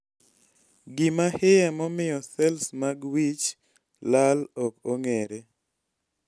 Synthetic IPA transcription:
ɡɪmahɪjɛmɔmɪjɔsɛlsmaɡwit͡ʃ | lalɔpoŋeɾe

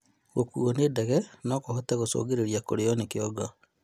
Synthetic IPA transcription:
ɣokṵɔnedɛɣɛnɔkohɔtɛɣoso̰ːɡeɾeɾiakoɾeɔnekeɔɡa

